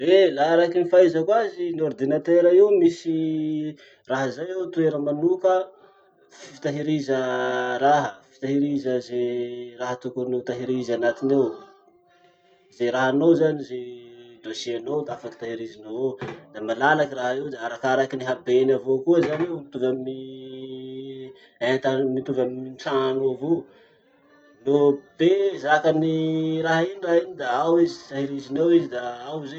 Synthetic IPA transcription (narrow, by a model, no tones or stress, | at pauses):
elaaɾakinifaizəkwazinord̪inat̪eɾaewmisi | raɦizajewt̪ueɾəmanukə | fifi̥t̪aɦiɾizəɾaɦəfi̥t̪aɦiɾizəzeraɦət̪ukunut̪aɦiɾizanat̪inew | zeɾaɦanozanized̪oseanod̪afaki̥t̪aɦiɾizinod̪̥amalalakiraɦed̪aaɾakaɾakiniɦabenavokuəzanewit̪uvamni | et̪amit̪uvamimt͡sanoavo | nobezakaniɾaɦainiraɦinid̪aawizi̥t̪aɦiɾizinewizid̪aawze